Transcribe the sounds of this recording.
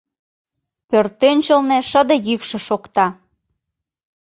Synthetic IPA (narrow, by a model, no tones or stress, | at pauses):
pørt̪ønʲt͡ɕəlneʃəd̪ə̆jykʃĕʃokt̪ɑ